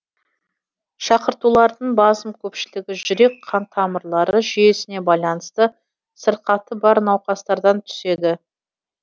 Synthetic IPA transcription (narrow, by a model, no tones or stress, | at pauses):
ʃɑqəɾt̪ulˠɑɾd̪əɴbɑzəmkʲʰɵpʃɪlɪɡʲɪʒʏɾe̞k̚qʰɑnt̪ʰɑməɾlˠɑɾəʒije̞sɪne̞bɑjlˠɑnəst̪ə | səɾqɑt̪ːəbɑɾnɑwqɑst̪ɑɾd̪ɑnt̪ʰʏ̥se̞d̪ɪ